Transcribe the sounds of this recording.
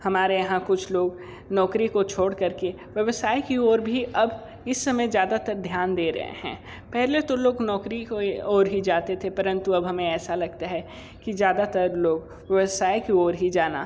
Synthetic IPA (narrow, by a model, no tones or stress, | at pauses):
hɐmaːɾejɐɦãkʊt͡ʃʰloːɡ | nɔːkɾikot͡ʃʰoːɽkɐɾke | ʋjɐʋəsaːekiɔːɾbʱiʔɐb | ɪsːɐmə̃zjaːd̪at̪ɐɾd̪ʱjaːnd̪eːɾɐ̰ɦḛɦɛ̰̃ː | pɛɦlet̪oloːɡnɔːkɾikɔːɾɦid͡ʒaːt̪et̪ʰepɐɾə̃nt̪uɐbɦɐmẽɛːsalɐɡt̪aɦɛ | kizjaːd̪at̪ɐɾloːɡ | ʋjɐʋəsaːekiɔːɾɦid͡ʒaːna̰